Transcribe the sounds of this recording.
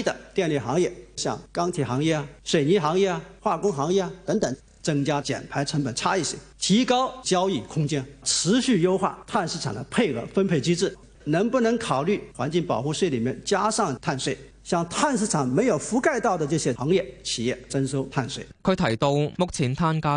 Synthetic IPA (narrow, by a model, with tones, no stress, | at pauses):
d̪ə˨t̪jɛ˥˧nli˥˩xɑ˧˥ŋjɛ˥˩ɕjɑ̰˥˩ŋkɑ˥ŋt̪ʰi˨˩xɑ˧˥ŋjɛ˥˩ɐ˩ʂwe˨˩ɪni˧˥xɑ˧˥ŋjɛ˥˩ɐ˨xwa˥˩kʊ˥ŋxɑ˧˥ŋjɛ˥˩a˨t̪ə˧˥ŋt̪ə˨˧˥ŋ | t͡sɤ˥ŋt͡ɕja˥t͡ɕjɛ̰˨˩npʰa˧˥ɪʈ͡ʂʰə˧˥ŋpə˨˩nʈ͡ʂʰa˥i˥˩ɕḭ˨˥˦t̪ʰi˧˥kɑ˥ʊt͡ɕjɑ˥ʊi˥˩kʰʊ˥ŋt͡ɕjɛ˥nʈ͡ʂʰɻ̩˧˥ɕy˥˩jo˥ʊxwa̰˥˩t̪ʰa˥˧nʂɻ̩˥˩ʈ͡ʂʰɑ˨˩ŋd̪ə˦pʰe˥˧ɪxɤ̰˧˩fə˥npʰe˥˩ɪt͡ɕi˥ʈ͡ʂɻ̩˥˩ | nɤ˧˥ŋpu˥˩nɤ˧˥ŋkʰɑ˨˩ʊly˥˩xwa˧˥nt͡ɕi˥˩ŋpɑ˨˩ʊxu˥˧ʂwe˥˩ɪli˨˩mjɛ˥˧nt͡ɕja˥ʂɑ˥˩ŋt̪ʰa˥˧nswe˥˩ɪ | ɕjɑ˥˧ŋt̪ʰa˥˧nʂɻ̩˥˩ʈ͡ʂʰɑ˨˩ŋme˧˥ɪjo˨˩ʊfu˧˥ka˥˧ɪt̪ɑ˥˩ʊd̪ə˩ʈ͡ʂɤ˥˩ɕjɛ˥xɑ˧˥ŋjɛ˥˩t͡ɕʰi˨˩jɛ˥˩t͡sə˥nʂo˥ʊt̪ʰa˥˧nswe˥˩ɪkʰɵ˧˥t̪ʰɐ˨˩jt̪o˧ʊmʊ˥k̚t͡sʰi˨˧˥nt̪ʰa˥nkaː˥